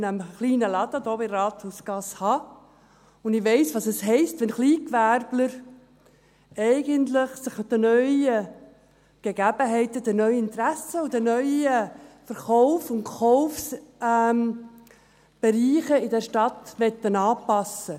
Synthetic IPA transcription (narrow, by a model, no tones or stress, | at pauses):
nəmχliːnəlɑd̪̥əd̥̪oːbɪɾɑːt̪husɡ̥ɑshɑ | ʊnd̪ɪʋɛɪsʋɑsəsɦɛɪstʋɛnχliːkʋæɾbləɾ | ɛɪɡənt̪ləχsəχd̥̪ənœʏə | ɡ̥eɡæbəɦɛɪt̪əd̥̪ənœʏɪnt̪ɾæsəud̪ənœʏəfəɾχɔʊfʊnχɔʊfsɛm | b̥eɾiːχəɪdɛɾʃtɑt̪ʋɛt̪ːənɑːpɑsə